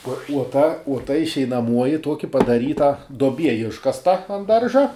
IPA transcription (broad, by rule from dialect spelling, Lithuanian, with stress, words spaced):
uɔ uɔ ˈtɐ uɔ ˈtɐ ɪʃʲɛɪnɐˈmuɔjɪ ˈtuɔkʲɪ pɐdɐˈrʲiːtɐ duɔˈbʲiɛ ˈɪʃkɐstɐ ɐn ˈdɐrʒɐ